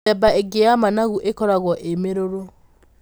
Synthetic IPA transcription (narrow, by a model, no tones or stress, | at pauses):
ɛbaeɡeamanaɣuʔekɔɾaɣwɔʔemeɾoɾo